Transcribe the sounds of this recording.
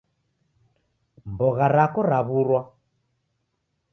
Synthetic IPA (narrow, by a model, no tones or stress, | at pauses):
mbɔɣaɾakɔɾaβuɾwa